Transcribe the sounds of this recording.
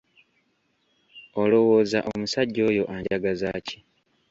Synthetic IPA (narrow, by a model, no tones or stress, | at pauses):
o̞lo̞wo̞ːzaʔomusaɟːo̞ːjo̞ʔaɲɟaɡazaːci̥